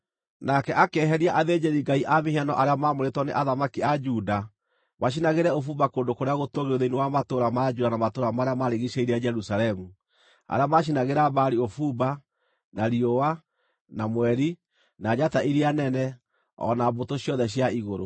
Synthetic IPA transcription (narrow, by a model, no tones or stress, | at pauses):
nakɛʔakɛɦɛɾiaʔaðed͡ʒeɾiɡaiʔamehianɔʔaɾeamamoɾetwɔneʔaðamakiad͡ʒuda | maʃ̬inaɣeɾɛofuːbakoːndokoɾeaɣotoɣeoðeinewamatoɾamad͡ʒuːdanamatoɾamaɾeamaɾeɣiʃeiɾiad͡ʒɛɾusalɛmu | a̰ɾeamaʃ̬inaɣeɾabaɾiofuba | naɾiowa | namwɛɾi | nad͡ʒataʔiɾianɛnɛ | ɔ̰nabotoɕjɔðɛɕ̬jaiɣoɾo̰